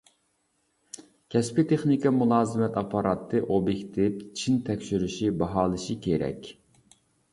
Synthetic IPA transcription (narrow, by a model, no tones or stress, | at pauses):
kʲʰɛspɪt̪ʰeχnikʰɑmulˠɑːzɨmɛt̪ʰɑpʰɑɾɑt̪ʰːɨʔobjekʲt̪ʰɪpt͡ʃʰint̪ʰɛkʲʃyɾyʃibɑɦɑːlˠɨʃikʲʰeɾɛ̰kʲ